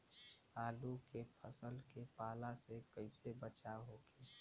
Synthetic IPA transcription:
aːlukepʰəsəlkepaːlasekəɪsebət͡ʃaɦokʰeʃ

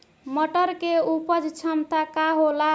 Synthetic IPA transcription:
məʈəɾkeupəd͡ʒt͡ʃʰəmt̪akaɦola

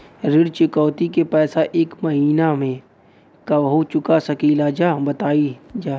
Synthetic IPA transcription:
ɾɪɽt͡ʃʊkɔːt̪ikepɛːsaʔeːkmɐɦiːnamẽ | kaʋɦot͡ʃʊkasɐkiːlad͡ʒaːbɐt̪aːid͡ʒaː

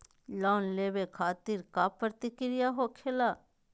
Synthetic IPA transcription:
lɔːnleːbekʰaːt̪ɪɾkapɾət̪ɪkɾɪjaɦokʰeːla

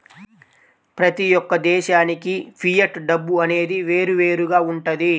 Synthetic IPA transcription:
pɾɐt̪ijɔkːɐd̪ɛːʃaːnikipʰijɐʈɖɐbːuɐne̞ːd̪iʋe̞ːɾuʋe̞ːɾuɡaːuɳʈɐd̪i

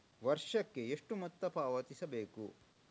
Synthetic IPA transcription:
ʋɐɾʂɐkːeeʂʈumɐt̪ːɐpaːʋɐt̪isɐbeːku

